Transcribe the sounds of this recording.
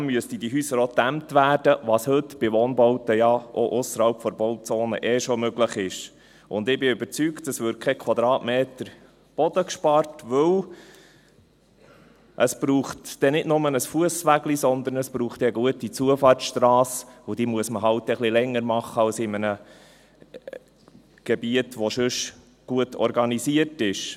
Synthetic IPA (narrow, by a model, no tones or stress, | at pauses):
mmyəstədiɦyːsəɾot̪æmtʋæːɾdəʋɑshɵtb̥ɪʋoːnbowtəjɑʔoʔʊsːəɾhɑlpfɔɾbowtt͡soːnə̰ʔɛːʃomøɡləχɪʃ | ʔʊnd̪ɪbɪʏbəɾt͡syːktdɑsʋʏːɾ̚kʰɛkʰwɑd̪ɾɑːtmeːt̪əɾ | b̥ɔd̥̪əkʃpɑrtʋɵw | ʔəsb̥ɾuːχtd̥ɛnɪdnʊmənəsfuəsʋæɡlisɔnd̪əɾnəsb̥ɾuːχtɛəɡuətit͡suəfɑːrt͡sʃtɾɑːsʊd̥iːmuəsməɦɑʊtːɛχlilɛŋːəɾmɑχəɑlsɪmənə | ɡ̥ɛbiətʋoʃʏʃ | ɡ̥uətɔ̰ɾɡɑnisiəɾtɪʃ